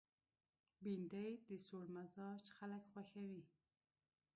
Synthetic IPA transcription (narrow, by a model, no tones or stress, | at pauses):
bind̪ajd̪əsoɽmazɑt͡ʃxaləkxwaxawi